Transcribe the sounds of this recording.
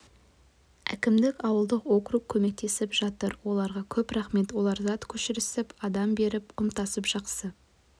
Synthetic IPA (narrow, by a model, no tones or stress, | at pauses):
æ̰kʲɪmd̪ɪkʲɑwəlˠd̪əqwo̞kruq̚kʲʰɵme̞k̚t̪e̞sɪpʒɑt̪əɾwo̞lˠɑɾʁɑkʲʰɵpɾɑχme̞t̪wo̞lˠɑɾzɑt̪kʲʰɵʃɪɾɪsɪpɑd̪ɑmbe̞ɾɪpqʊmt̪ɑsəpʒ̥ɑqsə